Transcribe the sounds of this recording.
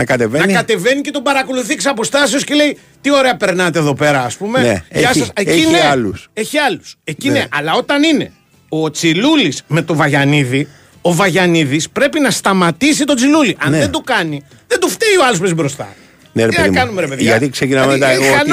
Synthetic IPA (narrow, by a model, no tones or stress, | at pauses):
nɐkɐt̪evenɐnkɐt̪e̞ve̞nice̞t̪obɐɾɐko̞luθieksɐpo̞st̪ɐsio̞scele̞i | t̪io̞ɾe̞ɐpe̞ɾnɐt̪̬eːðo̞pe̞ɾɐːspume̞neʝɐsɐseineɐluseçiɐluse̞cineʔɐlɐo̞t̪ɐnine̞ | o̞t͡silulisme̞t̪o̞vɐʝɐniði | o̞vɐʝɐniðispɾe̞pinɐst̪ɐmɐt̪isit̪o̞t͡siluliʔɐnðend̪okɐni | ðend̪uft̪eioɐlospezibɾo̞st̪ɐ̰ | neɾeenɐikɐnumeɾepeðɐt̪iksecinɐmet̪ɐeɣoɐn